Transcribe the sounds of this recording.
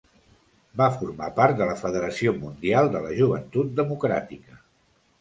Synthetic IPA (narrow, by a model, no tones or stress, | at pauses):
bafuɾmapaɾt̪̚d̪ələfəðəɾəsiomund̪ialˠd̪ələʒuβ̞ənt̪ut̪̚d̪əmukɾa̰t̪ikə